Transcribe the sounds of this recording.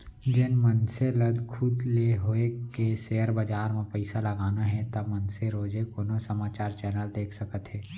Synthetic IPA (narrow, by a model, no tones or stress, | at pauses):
d͡ʒɪnmənseləd̪kʰʊd̪leɦoekeseːəɾbəd͡ʒaːɾmẽpɛɪsalɐɡaːnaɦɛt̪ɐmənseɾoːd͡ʒekonosɐmaːt͡ʃaːɾt͡ʃɛːnəld̪eːkʰsɐkət̪ɦɛː